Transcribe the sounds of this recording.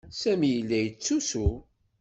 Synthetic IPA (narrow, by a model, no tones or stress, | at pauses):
sæmijəlːæjət͡sːusu